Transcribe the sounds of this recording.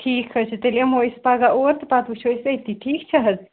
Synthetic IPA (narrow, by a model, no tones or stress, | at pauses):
ʈʰiːkhət͡ʃʰt̪elemojspaɡaʔoɾt̪pat̪ut͡ʃʰojset̪iʈʰikt͡ʃʰəɦət